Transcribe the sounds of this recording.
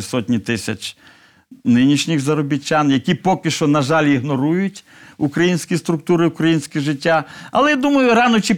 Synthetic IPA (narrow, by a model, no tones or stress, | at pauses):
sɔtʲnʲit̪ɪsʲɐt͡ʃʲ | nɪnʲiʃnʲɪxzɐɾɔbʲɪt͡ʃʲːanjɐkʲipɔkʲɪʃt͡ʃɔnɐʒɑlʲiɦnɔɾujʊtʲ | ukɾɐjinʲsʲkʲist̪ɾʊkt̪uɾɪʊkɾɐjinʲsʲkʲɪʒɪtʲːaɐ̰lˠɛjad̪umɐjʊɾɑnɔt͡ʃi